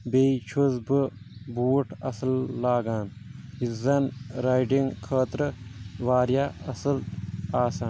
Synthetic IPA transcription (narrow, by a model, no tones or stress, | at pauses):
bet͡ʃʰuzbɨ | buːʈʰɐsɐlːaːɡaːn | izɐnɾajɖiŋkʰɐːt̪ɾɐʋaːɾjaːɐsɐlaːsaːn